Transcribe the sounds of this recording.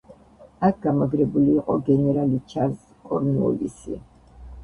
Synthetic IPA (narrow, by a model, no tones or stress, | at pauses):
ak̚ʰɡamaɡɾɛbuliːqʼɔɡɛnɛɾalit͡ʃʰaz | kʼɔɾnṵlḭsḭ